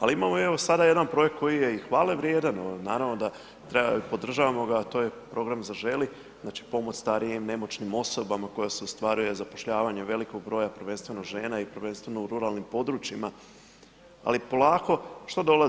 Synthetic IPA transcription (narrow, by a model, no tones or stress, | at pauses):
aliimamoe̞ʋo̞sad̪aje̞d̪anpɾo̞je̞k̚t̪̚ko̞jije̞ixʋaːlˠeʋɾjeːd̪anonaːɾaʋno̞d̪a | t̪ɾepo̞d̪r̩ʒaːʋamo̞ɡat̪ojepɾo̞ɡɾamzaʒe̞li | znaːt͡ʃi̥po̞mo̞t͡ɕst̪aɾijimne̞mo̞t͡ʃnimo̞so̞bamako̞jase̞ust̪ʋaɾuje̞zapoʃʎaːʋaɲeʋe̞liko̞ɡ̚bɾo̞ːjaprɾʋe̞nst̪ʋe̞noɡʒe̞ːnaipɾʋe̞nst̪ʋe̞nouɾuɾalˠnimpo̞d̪ɾut͡ʃima | a̰lipo̞lˠaːko̞ʃt̪od̪o̞la